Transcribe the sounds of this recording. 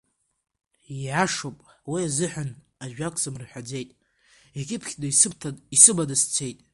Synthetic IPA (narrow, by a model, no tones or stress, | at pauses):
iʕaʂopʼwiazɨħan | aʒᶣakʷʰʼsamrħʷad͡ze̞jtʼ | ekʲʼɪpʰχʲdaiisɨbadast͡sʰe̞jtʼ